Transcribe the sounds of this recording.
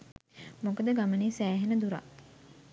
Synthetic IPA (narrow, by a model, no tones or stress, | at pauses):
mokəd̪əɡaməniːsæːɦenəd̪uɾa̰